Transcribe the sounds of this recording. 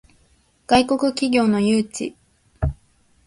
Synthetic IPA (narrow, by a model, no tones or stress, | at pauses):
ɡ̥aiko̞kɯ̟kʲiɡʲo̞ːno̞jɯːt͡ɕḭ